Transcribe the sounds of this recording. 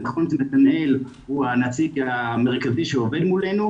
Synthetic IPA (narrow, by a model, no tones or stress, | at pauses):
naχonʃemet̪anel | huanat͡siɡame̞ʁkaziʃeove̞dmulenu